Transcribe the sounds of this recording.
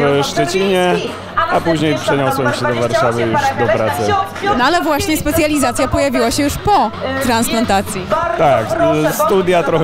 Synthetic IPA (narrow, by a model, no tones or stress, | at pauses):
ɐʃt̪ɐt͡ɕiɲɐ | apuʒɲejpʃɐɲãwsõɲkʃed̪ɨvaɾʃavɐuʃd̪ɨpɾasɐ | nɔalɛvwaɕɲɛspɛt̪sʲjalʲizat̪sʲjapɔjavʲiwaɕɛjuʃpɔt̪ɾãñsplãnt̪at̪sʲjit̪akst̪ud̪jat̪ɾɔ